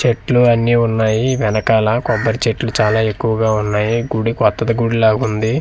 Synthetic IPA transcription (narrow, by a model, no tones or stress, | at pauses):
t͡ʃeʈluɐnːiːunːaːjiʋɛnɐkaːlɐkɔbːɐɾit͡ʃeʈlut͡ʃaːlaːe̞kːuʋɐɡaːunːaːjiɡuɽikɔt̪ːɐd̪ɐɡuɽilaːɡund̪i